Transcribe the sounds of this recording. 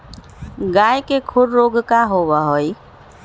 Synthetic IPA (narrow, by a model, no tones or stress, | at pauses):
ɡajkekʰuɾɾoɡkaɦoβəɦoj